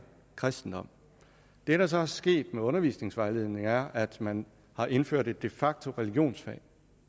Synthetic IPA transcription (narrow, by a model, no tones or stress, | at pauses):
kʰʁasd̥n̩d̥ɒ̽m̰ | d̥e̝ɾ̥ɑ̈s̬ɒ̽æɐsɡ̥e̝̰ːd̥meɔ̽nɐʋḭːsne̝ŋsʋɑ̈ɪle̝ð̰ˠne̝ŋæɐʔæd̥mæn | hɑ̈ʔe̝nføɐ̰d̥e̝d̥ːe̝fɑ̈ɡ̥̚t͡sʰo̝ʁɛliɡ̥jo̝̰ːnsfɛ̰ː